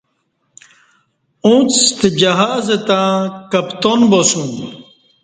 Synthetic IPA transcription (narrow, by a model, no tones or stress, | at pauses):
ũt͡st̪ed͡ʑɐɦaːzet̪ãːkɐpt̪onbosũn